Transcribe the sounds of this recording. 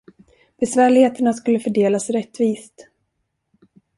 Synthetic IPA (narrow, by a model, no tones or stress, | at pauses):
b̥ɛsvæːɭɪheːt̪əɳaskɵlːəfœɖeːlasɾɛt̪ːviːst̪